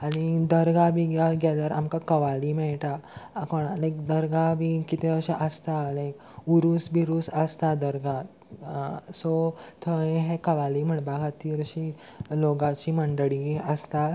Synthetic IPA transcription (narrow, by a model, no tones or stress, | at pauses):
añid̪əɾɡabʱiɡaɡad̪əɾa̰mkakəʋalimɛɭʈakɔɽalẽkd̪əɾɡabʱikit̪eəɕaʔəst̪alẽk | uɾusbʱiɾusəst̪ad̪əɾɡa | sot̪ʰə̃ɦɛkəʋalim̤əɳbaɡat̪iɾəɕi | loɡat͡ɕiməɳɖəɭiəst̪a